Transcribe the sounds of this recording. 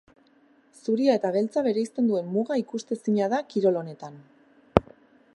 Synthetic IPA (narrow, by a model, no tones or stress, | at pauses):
suɾiae̞t̪aβ̞e̞lt͡saβe̞ɾe̞ist̪e̞nd̪ue̞mːuɣaikust̪e̞siɲaðakiɾo̞lo̞ne̞t̪an